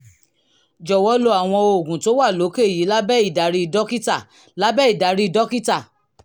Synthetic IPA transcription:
d͡ʒɔ˨wɔ˦lo˧a˦˨w̃ɔ̃˧o˨ɡũ˨to˦wa˦˨lo˨˦ke˦˨ji˨˦la˦bɛ˦i˦˨da˨˦ɾi˦i˧dɔ˦ki˦ta˦˨ | la˦bɛ˦i˦˨da˨˦ɾi˦i˧dɔ˦ki˦ta˦˨

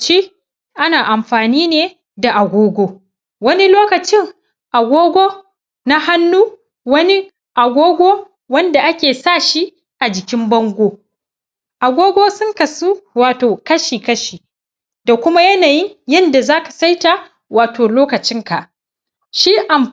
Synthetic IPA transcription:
t͡ʃiː˦ | ʔa˦naː˨ʔa˨mɸaː˨niː˦neː˨ | da˨ʔa˨ɡʷoː˦ɡʷoː˦ | wɐ˦ni˦loː˦kɐ˨t͡ʃɪ˦ŋ | ʔa˨ɡʷoː˦ɡʷoː˦ | na˦ha˦nːuː˦ | wɐ˦ni˦ | ʔa˨ɡʷoː˦ɡʷoː˦ | wɐ˦nda˨ʔa˦kʲeː˨saː˦˨ʃi˦ | ʔa˨d͡ʒɪ˨kʲɪ˦mbɐ˦ŋɡʷoː˦ | ʔa˨ɡʷoː˦ɡʷoː˦sʊ˦ŋkɐ˨su˦waː˨toː˨kɐ˦ʃiː˨kɐ˦ʃiː˨ | da˨kʷʊ˦ma˦jɐ˦naː˨jɪ˦ɲjɐ˦nda˨zaː˦ka˨sa˦jta˨ | waː˨toː˨loː˦kɐ˨t͡ʃɪ˦ŋka˨ʔ | ʃiː˦ʔa˨m

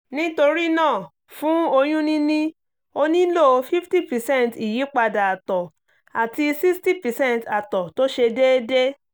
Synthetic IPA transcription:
nĩ˦to˧ɾi˦nãː˦˨ | fũ˦o˧j̃ũ˦nĩ˦nĩ˦ | o˧nĩ˦lo˦˨˧fi˦fti˦˨pɛ˨sɛ̃˦˨nti˨ji˨˦k͡pa˧da˨a˨tɔ˨ | a˨ti˧si˦sti˦˨pɛ˨sɛ̃˦nta˨tɔ˨to˦ʃe˧de˦de˦

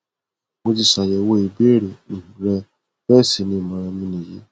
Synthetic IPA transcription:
mo˦ti˧sa˨jɛ˨wo˦˨i˨be˦˨ɾe˨ñ̩˨ɾɛ˦ | bɛ˦˨si˨˦nĩ˦˨mã˨ɾɛ˧mĩ˦nĩ˨ji˦

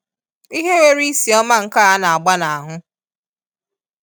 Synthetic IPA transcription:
i˦ɦe˦we˦ɾi˦si˨ɔ˦ma˦ŋ̩˨ka˦a˦na˨a˨ɡ͡ba˦na˨a˨ɦʊ˦

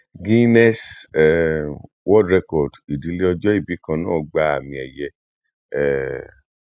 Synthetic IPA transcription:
ɡi˦nɛ˦sɛ˨ | wɔ˦dɾɛ˧kɔ˨di˨di˨˦le˦ɔ˧d͡ʒɔ˦i˦˨bi˨˦kã˧nãː˦˨ɡ͡ba˧a˨mĩ˧ɛ˨jɛ˧ | ɛ˨

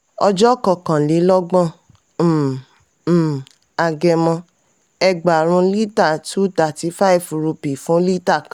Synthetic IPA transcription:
ɔ˧d͡ʒɔ˦kɔ˨kã˨li˨˦lɔ˦ɡ͡bɔ̃˦˨˦ | a˧ɡɛ˧mɔ̃˧ | ɛ˧ɡ͡ba˨ɾ̃ũ˧˦li˦ta˦˨tu˦ta˨ti˧˦fa˦i˨fɾu˧pi˨fũ˨˦li˦ta˦˨kã˨

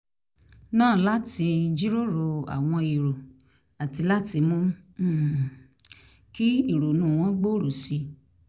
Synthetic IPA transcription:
nãː˦˨˦la˦ti˧d͡ʒi˦ɾo˦ɾo˨˧a̰˨w̃ɔ̃˧i˨ɾo˨ | a˨ti˧la˦ti˧mũ˦˨ | ki˦i˦˨ɾo˨nũ˦˨w̃ɔ̃˦ɡ͡bo˦ɾo˨si˧

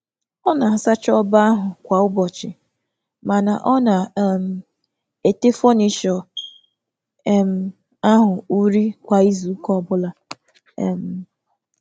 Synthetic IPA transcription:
ɔ˦na˨sa˦t͡ʃɔ˦ba˦a˦ɦʊ˨kʷa˨ʊ˦bɔ˨t͡ʃɪ˨ | ma˨na˨ʔɔ˦na˨m̩˨ | e˨te˦fɔ˦ni˨ʃɔ˨˦ | m̩˨ | a˦ɦʊ˨u˦ɾi˦kʷa˨i˦zu˨˦kɔ˦ɔ˨bʊ˦la˨˦ | m̩˨

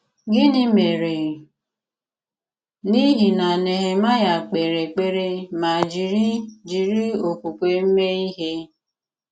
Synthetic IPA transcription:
ɡɪ˦nɪ˦me˨ɾe˨ | ni˦ɦi˨na˨ne˨ɦe˨ma˦ja˨k͡pe˨ɾe˨k͡pe˦ɾe˦ma˨d͡ʒi˨ɾi˦d͡ʒi˨ɾi˦o˨ku˨kʷe˨m̩˦me˦i˦ɦe˦

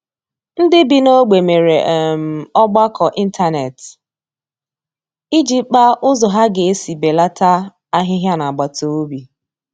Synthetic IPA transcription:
n̩˦dɪ˦bi˨no˦ɡ͡be˨me˨ɾe˨m̩˨ɔ˦ɡ͡ba˦kʰɔ˨ʔi˦n̩˦ta˦ne˨t | i˦d͡ʒi˦k͡pa˦ʔʊ˦zɔ˨ɦa˦ɡe˨e˦si˨be˨la˦ta˦ | a˦ɦɪ˦ɦja˦na˨ɡ͡ba˨to˨o˦bi˨

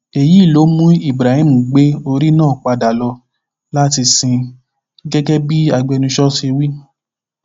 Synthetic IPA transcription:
e˨ji˨˦˨lo˨˦mũ˦i˦˨bɾa˨hĩ˦m̩̃˨ɡ͡be˦o˧ɾi˦nã˦˨k͡pa˧da˨lɔ˧ | la˦ti˧sĩ˧ | ɡɛ˦ɡɛ˦bi˦a˧ɡ͡bɛ˧nũ˧ʃɔ˦si˦˧wi˦

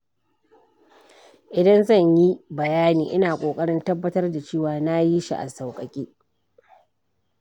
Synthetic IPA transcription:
ʔɪ˨dɐ˦nzɐ˦˨ɲji˦bɐ˨jaː˦niː˨ʔɪ˦naː˨kʷʼoː˨kʼɐ˦ɽɪ˦ntɐ˦bːɐ˦tɐ˦rda˨t͡ʃeː˦˨waː˨na˦ji˦ʃḭ˦ʔa̰˨sɐ˨wkʼɐ˨kʲʼiː˦

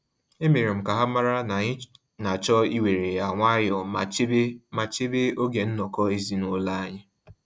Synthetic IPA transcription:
e˦me˨ɾe˨m̩˨ka˨ɦa˦ma˦ɾa˦n˨˦ | na˨t͡ʃɔ˦i˦we˨ɾe˨a˨ŋʷa˦jɔ˨˦ma˨t͡ʃe˦be˦o˦ɡe˨n̩˦nɔ˨kɔ˦e˦zi˦no˦la˦a˦ɲa˦

